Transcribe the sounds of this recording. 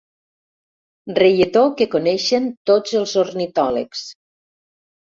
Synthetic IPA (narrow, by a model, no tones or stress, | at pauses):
rejet̪okekonɛʃent̪od͡zəlˠzornit̪ɔlə̰ks